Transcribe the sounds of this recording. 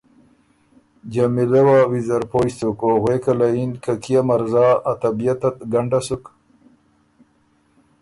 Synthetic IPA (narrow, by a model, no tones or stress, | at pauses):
d͡ʑamilewawizaɾpoːjst̪ukoɣwekalainkakijamaɾzaʔat̪abijat̪at̪̚ɡaɳɖasuk